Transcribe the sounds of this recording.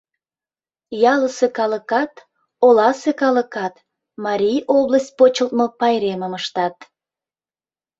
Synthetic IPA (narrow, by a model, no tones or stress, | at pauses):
jɑləsekɑləkɑt̪ | olɑsekɑləkɑt̪ | mɑɾʲijobləs̚ʲpot͡ɕəlt̪̚mopɑjɾeməməʃt̪ɑt̪̚